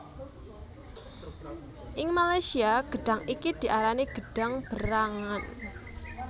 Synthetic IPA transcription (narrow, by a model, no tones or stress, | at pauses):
ʔɪŋmalajsiaɡ̥ə̤ɖ̥a̤ŋikid̪̥i̤ʔaɾaniɡ̥ə̤ɖ̥a̤ŋb̥əɾaŋan